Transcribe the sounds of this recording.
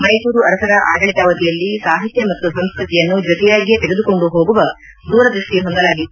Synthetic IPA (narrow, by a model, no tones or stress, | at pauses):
mɐjsuːɾuɐɾɐsɐɾɐʔaːɡɐɭt̪aːʋɐt̪ijɐlːisaːɦit̪jɐmɐt̪ːusɐmskɾut̪ijɐnːud͡ʒɔt̪ɛjaːɡijet̪ɛɡed̪uko̞ɳɖuɦoːɡuʋɐ | d̪uːɾɐd̪ɾuʂʈiɦond̪ɐlaːɡi